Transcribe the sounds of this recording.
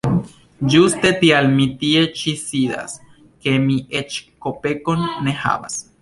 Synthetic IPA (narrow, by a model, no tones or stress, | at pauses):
d͡ʒust̪e̞t̪ialmit̪ie̞t͡ʃisid̪a̰s | ke̞miʔet͡ʃkope̞ko̞nːeha̰ba̰s